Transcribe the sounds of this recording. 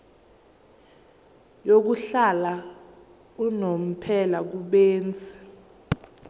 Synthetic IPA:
jok̬uɬala | unom̩pʰɛlak̬uɓɛːnt͡sʰʼɛ̥

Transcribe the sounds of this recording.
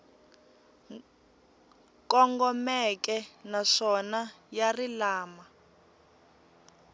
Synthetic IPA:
kɔŋɡɔmɛk̬ɛnaʂɔna | jarilaːma

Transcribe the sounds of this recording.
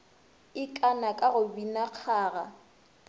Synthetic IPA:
ɪkʼanakʼaɣʊbinaq͡χʰaːɣa

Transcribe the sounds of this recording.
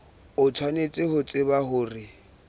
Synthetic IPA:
ʊt͡sʰwanet͡sʼɪɦʊt͡sʼɪbahʊːrɪ

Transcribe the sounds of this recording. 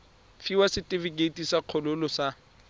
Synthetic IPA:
fiwasɪtʼɪviɡetʼisaq͡χʰɔlʊlɔsa

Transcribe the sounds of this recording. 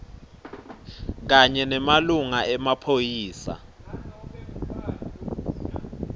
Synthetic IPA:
k̬aɲɛnɛmaluŋaɛmapʰojiːsa̰

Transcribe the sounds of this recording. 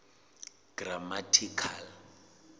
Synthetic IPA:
ɡ̥ramatʰikʰal

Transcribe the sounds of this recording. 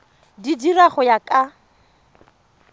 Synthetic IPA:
didiraχʊjakʼa

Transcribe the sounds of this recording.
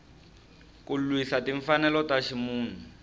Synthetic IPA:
kulwisatiɱfanɛlɔtaʃimuːn̤u

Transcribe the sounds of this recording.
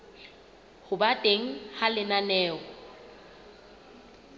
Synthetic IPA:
hʊbatʼeŋ̩halɪnanɛːkɔ

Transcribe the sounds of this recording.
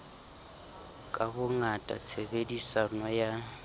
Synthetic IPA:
kʼabʊŋatʼa̰t͡sʰebedisanɔja

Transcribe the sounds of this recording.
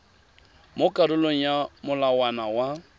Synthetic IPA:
mokʼadʊloŋ̩jamʊlawanawa

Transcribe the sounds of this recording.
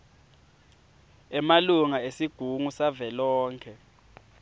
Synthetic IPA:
ɛmaluŋaesiɡ̥ʱuŋusavɛlɔːŋkʰɛ

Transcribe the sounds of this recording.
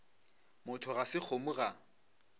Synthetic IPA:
mʊtʰʊɣasɪk͡xʰomuɣa

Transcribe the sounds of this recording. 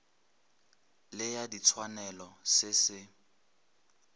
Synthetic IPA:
lɪjadit͡sʰwanɛlɔsɪsɪ

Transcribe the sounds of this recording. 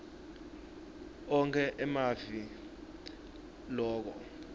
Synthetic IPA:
ɔŋkʰɛʔɛmavi | lɔːk̬ɔ

